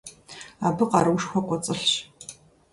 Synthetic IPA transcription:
aːbɨqɑɾɨwʂxʷɔqʷɔt͡sʼɨɬɕ

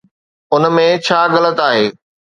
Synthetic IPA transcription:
ʊnmẽt͡ɕʰaːɣɐlət̪aːɦeː

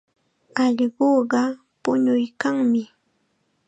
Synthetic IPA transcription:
ɑʎɢoːɢɑ | pʊɲʊjkaŋmɪ

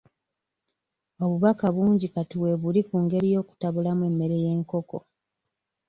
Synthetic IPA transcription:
o̞βuβakaβuːɲɟikatiwe̞βulikuŋɡe̞ɾijo̞ːku̥taβulamwe̞mːe̞ɾe̞je̞ːŋko̞ko̞̰

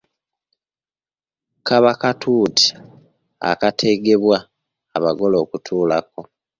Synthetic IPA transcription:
kʰaβakatʰuːtʰi̥ | a̰katʰe̞ɡe̞βwaː | βaɡo̞lo̞ːkutʰuːlako̞

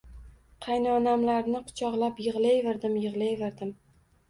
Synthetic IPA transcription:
qʰɑjnaɒnamlaɾnɪqʰʊ̥t͡ʃʰɒʁlˠapjɨʁlˠajvɪɾd̪ɪmjɨʁlˠajveɾd̪ɪm

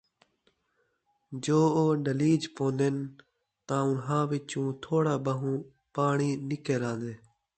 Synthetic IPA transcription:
d͡ʒoːoːɖəliːd͡ʒpõːnd̪eːn | t̪ãːʊnɦãːʋɪt͡ʃũːt̪ʰoːɽaːbəɦũː | paːɳiːnɪkeːɾãːnd̪eː

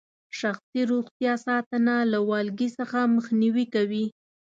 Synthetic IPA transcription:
ʃaxsiɾoxt̪jɑsɑt̪ənalawɑlɡisəxaməxniwikawi

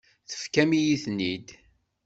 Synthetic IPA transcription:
θə̥fkæmijiθnid̪

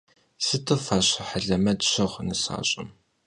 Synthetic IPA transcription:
sɨtʰɨfaːɕɐħəɮɐmɐdɕɐʁʷnɨsa̰ːɕʼɪm

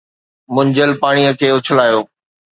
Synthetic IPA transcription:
mʊ̃ɲd͡ʑəlpaːɽ̃ijəkʰeːʊt͡ɕʰəlaːjoː

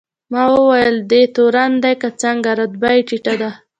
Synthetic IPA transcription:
mɑwəwajəld̪et̪oɾand̪ajkat͡saŋɡaɾad̪bajʈiʈad̪a

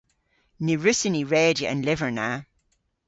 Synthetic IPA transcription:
nəɹʉsɪniɹɛːd͡ʒiʔə̰̃nlɪvə˞na

